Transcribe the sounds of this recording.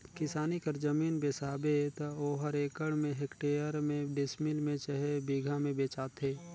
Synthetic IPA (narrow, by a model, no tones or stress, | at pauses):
kɪsaːnikəɾd͡ʒəmiːnbeːsaːbet̪ɐoːɦəɾeːkəɽmẽɦekʈeːəɾmẽɖɪsmɪlmẽt͡ʃəɦebiːɡʱamẽbeːt͡ʃaːt̪ɦeː